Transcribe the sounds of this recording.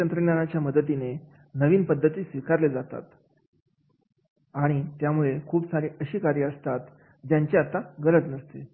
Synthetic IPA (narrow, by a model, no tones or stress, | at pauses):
ənt̪ɾəɡnjanat͡ɕjaməd̪ət̪ine | nəʋiːnpəd̪ʱːət̪iːsʋikaɾled͡zat̪a̰t̪ | aɽ̃it̪jamuɭekʰuːpsaɾiːʔəɕiːkaɾjəəst̪at̪ | d͡ʑjaɲt͡ɕeat̪aɡəɾət̪nəst̪e